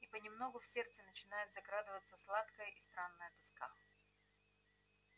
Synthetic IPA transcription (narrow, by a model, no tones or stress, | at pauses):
ipənʲɪmno̞ɡʊfsʲe̞rt̪sɨnət͡ɕɪnajʊt̪zɐɡɾad̪ɨvət̪səslˠat̪kəjəʔist̪ɾanːəjət̪ɨska̰